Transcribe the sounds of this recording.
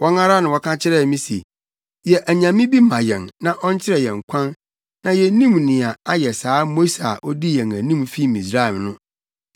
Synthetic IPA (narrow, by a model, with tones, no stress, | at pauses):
wɔ˦ŋã˦ɾa˦nã˨wɔ˦kʰã˦t͡ɕʰɪ˦ɾɛ˦˨mĩ˦sḭ˨ | jɛ˨ʔæ˨ɲã˨mĩ˦bi˦mã˨jɛ̰̃˨nnã˨ʔɔ˦ɲ˦t͡ɕʰɪ˦ɾɛ˨jɛ̃˨ŋ˨kʷʰã˦nː | ã˨jɛ˨˦nĩ˦mnɪ̃˨a˨a˦jɛ˨saː˨˦mo˦sa̰˨ʔɔ˦di˦jɛ̃˨ŋæ˨nĩ˦mfi˦˨mĩ˨sɾa˦ɛ˨mnʊ̃˦